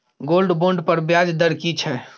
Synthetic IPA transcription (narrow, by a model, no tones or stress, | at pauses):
ɡolɖboɳɖpəɾbjad͡ʒd̪əɾkit͡ʃʰɛ